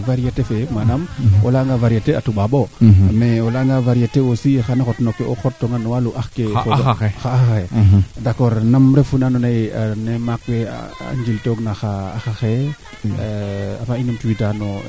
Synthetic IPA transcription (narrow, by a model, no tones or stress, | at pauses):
vaɾiatefemanamo̰laŋɡavaɾiateatuɓaɓomeolaŋɡavaɾijatewosixanexotnokːeʔoxotːoŋanowaluʔaxkeoxaaxaxedakɔɾnamɾefunanonaanemakwḛa̰nd͡ʒiltoɡnaxaːxaxe | afainamtuwitano